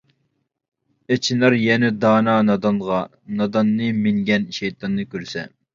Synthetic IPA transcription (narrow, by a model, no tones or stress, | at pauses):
et͡ʃʰinɑɾjɛnɛd̪ɑːnɑnɑd̪ɑnʁɑ | nɑd̪ɑnːɨmɪŋɡʲɛnʃɛjt̪ʰɑnːɨkʲøɾsɛ̰